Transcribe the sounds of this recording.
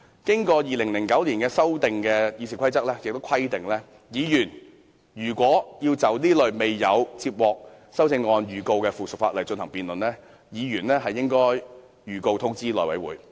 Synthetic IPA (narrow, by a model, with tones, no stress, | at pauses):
kɪ˥ŋkɔː˧jiː˨lɪ˨˩ŋlɪ˨˩ŋkɐ˨˥wliː˨˩nkɛː˧sɐ˥wt̪ɪ˨ŋkɛː˧ji˨˧siː˨˩kʷʰɐ˥jt͡sɐ˥k̚lɛː˥jɪ˨k̚t̪o˥wkʷʰɐ˥jt̪ɪ˨ŋlɛː˥ | jiː˨˧jyː˨˩n | jyː˨˩kʷwɔː˨˥jiː˧wt͡sɐ˨˥wniː˥lɵ˨ɥme˨jːɐ˨˧wt͡siː˧p̚wɔː˨k̚ | sɐ˥wt͡sɪ˧ŋːɔː˧njyː˨˩ko˧wkɛː˧fuː˨sɵ˨k̚faː˧t̚lɐ˨˩jt͡ʃɵ˧nhɐ˨˩ŋpiː˨nlɵ˨˩nlɛː˥ | jiː˨˧ɥyː˨˩nlɛː˥ɦɐ˨jːɪ˥ŋkɔː˥j | jyː˨˩ko˧wt̪ʰʊ˥ŋt͡siː˥lɔː˨˩wɐ̰˨˥jwuː˨˥j